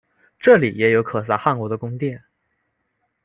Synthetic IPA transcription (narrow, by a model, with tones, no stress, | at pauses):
ʈ͡ʂɤ˥˩li˨˩jɛ˧˥jo˧˥ʊkʰɤ˨˩s̬a˥˧˥xa˥˩nkwɔ˧˥d̪ə˧kʊ˥ŋt̪jɛ˥˩n